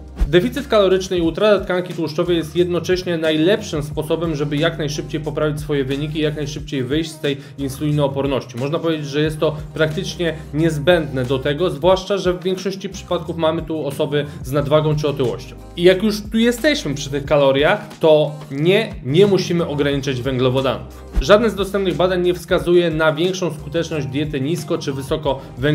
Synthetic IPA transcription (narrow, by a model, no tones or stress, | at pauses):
d̪ɛfʲit̪sɨt̪kalɔɾɘt͡ʂnɘiut̪ɾat̪at̪kaŋkʲit̪wuʂt͡ʂɔvəjɛst̪jɛd̪nɔt͡ʂɛɕɲɛnajlɛpʂɘmspɔsɔbɛmʐɛbɘjaknajʂɘp̚t͡ɕejpɔpɾavʲit͡ɕʲsfɔjɛvɘɲikʲiːjaknajʂɘp̚t͡ɕejvɘjɕt͡ɕst̪ɛj | insulʲinɛɔpɔɾnɔɕt͡ɕimɔʐnapɔvʲjed͡ʑed͡ʑʐɛjɛst̪ːɔpɾakt̪ɘt͡ʂɲɛ | ɲɛzbɛnd̪nɛd̪ɔt̪ɛɡɔzvwaʂt͡ʂaʐɛvːʲjɛŋkʂɔɕt͡ɕipʂɘ̥pat̪̚kufmamɘt̪uɔsɔbɘznad̪vaɡɔ̃w̃t͡ʂɘɔt̪ɘwɔ̰ɕt͡ɕɔ̰̃w̃ijakjuʂt̪ujɛst̪ɛɕmɘpʂɘt̪ɛxkalɔɾʲjat̪ɔɲɛɲɛmuɕimɘʔɔɡɾaɲit͡ʂad͡ʑvɛŋɡlɔvɔd̪a̰nuf | ʐad̪nɛzd̪ɔst̪ɛmp̚nɨɣbad̪aɲːɛfskazujɛnavʲjɛŋkʂɔ̃w̃skut̪ɛt͡ʂnɔʑd͡ʑd̪ʲjɛt̪ɘɲiskɔt͡ʂɘvɘsɔkɔ | vɛŋ